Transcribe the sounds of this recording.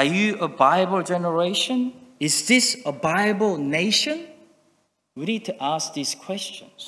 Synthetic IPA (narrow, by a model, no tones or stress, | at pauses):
əjɨəbaɪbəlˠd͡ʒɛnəɹeɪʃə̃nɪzðɪsəbaɪbəlˠneɪʃə̃n | wɨnid̚tʰəʔask̚ðiz̥kʰw̥ɛst͡ʃə̃nz̥